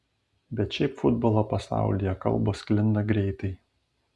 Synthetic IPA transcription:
bʲɛt̪ʃʲɛɪpfʊd̪boːlˠoːpɐsɑ̰ˑʊlʲijɛkɐ̰lˠbosklʲɪnd̪ɐɡɾʲɛɪt̪ɐɪ

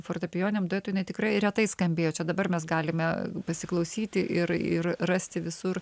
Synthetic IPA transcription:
foːrt̪ɐpʲɪjoːnʲɛːmd̪oeːt̪oːjɪnɐɪt̪ʲɪkɾɐɪɾʲɛt̪ɐɪskɐmʲbʲeːjoːt͡ʃʲɛd̪ɐbɐrmʲɛsɡɑːlʲɪmʲɛpɐsʲɪklˠɐʊsʲiːt̪ʲɪʔɪrɪ̰rrɐsʲt̪ʲɪʋʲɪsʊr

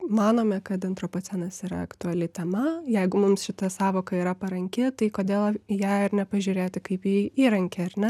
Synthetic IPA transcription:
mɑːnoːmʲɛkɐt̪ɪnt̪ɾoːpoːt̪t͡sʲɛnɐsiːɾɐ̰ɐkt̪ʊɐlʲɪt̪ʲɛmɐjɛɪɡʊmʊmsʃʲɪt̪ɐsɑːʋoːkɐiːɾɐpɐɾɐŋʲkʲɪt̪ɐɪkoːd̪ʲeːlˠjæːɪɾnʲɛpɐʒʲuːɾʲeːt̪ʲɪkɐɪpiiːɾɐŋʲkʲɛɐɾnʲɛ

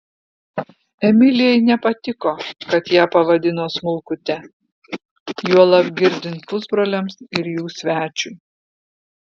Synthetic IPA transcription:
ɛmʲɪlʲɪjɛɪnʲɛpɐt̪ʲɪkoːkɐt̪jæːpɐʋɐd̪ʲɪnoːsmʊlˠˑkʊt̪ʲɛ | juɔlˠɐpɡʲɪɾʲd̪ʲɪnt̪pʊzbɾoːlʲɛmsɪɾjuːsʲʋʲæːt͡ʃʲʊj

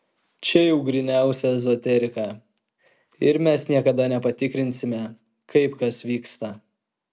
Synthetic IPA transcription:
t͡ʃʲɛjɛʊɡɾʲɪnʲæˑʊsʲɛɛzɔt̪ʲɛɾʲɪkɑ | ɪɾmʲɛsnʲiɛkɐd̪ɐnʲɛpɐt̪ʲɪkɾʲɪnʲsʲɪmʲɛ | kɐɪpkɐsʋʲiːkst̪ɐ

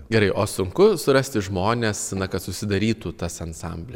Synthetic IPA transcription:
ɡʲɛɾɐɪʔoːsʊŋkʊsʊɾɐsʲt̪ʲɪʒmoːnʲeːsnɐkɐt̪sʊsʲɪd̪ɐɾʲiːt̪uːt̪ɐsɐnsɑ̰ˑmʲbʲlʲɛ

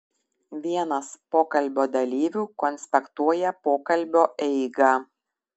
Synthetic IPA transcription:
ʋʲiɛnɐspoːkɐlʲˑbʲoːd̪ɐlʲiːʋʲuːkɔnʲsʲpʲɛkt̪uɔjɛpoːkɐlʲbʲoːʔɛɪɡɑ

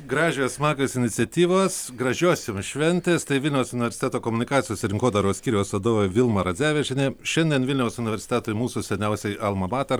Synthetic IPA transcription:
ɡɾɑːʒʲɪjoːsmɑːkɐsɪnʲɪt̪sʲɛt̪ʲiːʋoːssɡɾɐʒʲoːsʲɪmʃʲʋʲɛnʲt̪ʲeːst̪ɐɪʋʲɪlʲnʲɛʊsʊnʲɪʋʲɛɾʲsʲɪt̪ʲæːt̪oːkomʊnʲɪkɑːt̪sʲɪjoːsʲɛɾʲɪŋkoːd̪ɐɾoːsʲkʲiːɾʲɛjoːsɐd̪oːʋojʋʲɪlˠmɐɾɐd̪zʲæːʋʲɛʒʲɛnʲɛʃʲɛnʲd̪ʲiɛnʋʲɪlʲnʲɛʊsʊnʲɪʋʲɛɾʲsʲɪt̪ʲæːt̪oːɪmuːsʊsʲɛnʲɛʊsʲɛɪʔɐlˠmɐmɑːt̪ɐɾ

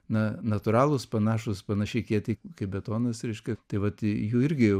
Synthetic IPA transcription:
nɐnɐt̪ʊɾɑːlˠʊspɐnɑːʃʊspɐnɐʃʲɛɪkʲiɛt̪ʲɐɪkɐɪbʲɛt̪oːnɐsɾʲɛɪʃkʲɛt̪ɐɪʋɐt̪juːɪɾʲɡʲɪjɛʊ

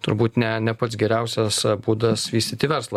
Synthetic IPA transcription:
t̪ʊɾbuːt̪nʲɛnʲɛpɐt̪s̬ɡʲɛɾʲɛˑʊsʲɛsbuːd̪ɐsʋʲiːsʲt̪ʲiːt̪ʲɪʋʲɛɾslˠɐ

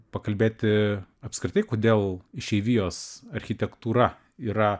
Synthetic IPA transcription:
pɐkɐlʲbʲeːt̪ʲɪɐpskɾʲɪt̪ɐɪkoːd̪ʲeːlˠɪʃʲɛɪʋʲijoːsɐɾʲxʲɪt̪ʲɛkt̪uːɾɐ | iːɾɐ

